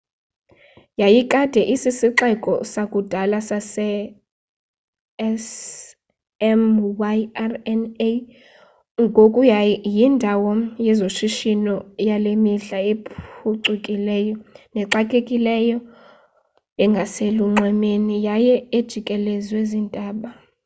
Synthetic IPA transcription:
jajikʼad̥ʱɛʔisisiǁɛkʼɔsakʼud̥ʱalasasɛ | s | ɛmwaarɛne | ŋɡʱokʼujajindʱawɔjɛzoʃiʃinɔjalemiɮaepʰuǀukʼilɛːjɔnɛǀakʼekʼilɛjɔ | ɛŋɡʱaseluŋ͡ǀʱɛmenijajɛed̥ʒ̥ʱikʼɛlɛzwezintʼaːɓa

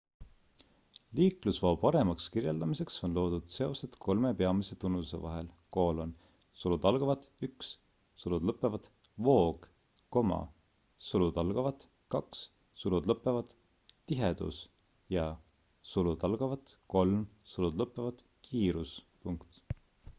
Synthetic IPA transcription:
liːklusvo̞ːpɑɾe̞mɑkskirje̞ld̪ɑmise̞kso̞nlo̞ːd̪̥ud̪̥se̞o̞sed̪̥kʰo̞lme̞peɑmise̞t̪unːuse̞̰vɑ̰ɦel | ko̞ːlo̞n | sulud̪̥ɑlɡ̥ɑvɑd̪yks | sulud̪̥lɤpːˑe̞vɑd̪̥ | vo̞ːɡ̥ | ko̞mɑ̰ | sulud̪̥ɑlɡ̥ɑvɑt̪ | kɑks | sulud̪lɤpːˑe̞vɑd̪̥ | t̪ːiɦe̞d̪̥ṵs | jɑ | sulud̪ɑlɡ̥ɑvɑt̪ko̞lmsulud̪̥lɤpːˑe̞vɑd̪̥ | kʰiːɾuspuŋkt̪

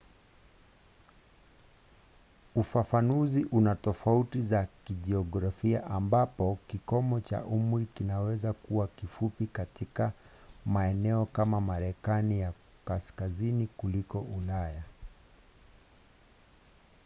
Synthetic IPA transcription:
ufafanuziʔunatɔfautizakiʄɛɔɡɾafiaʔambapɔkikɔmɔt͡ʃa̰ʔumɾikinawɛzakuwakifupikatika | maɛnɛɔkamamaɾɛkanija | kaskazinikulikɔʔulaja

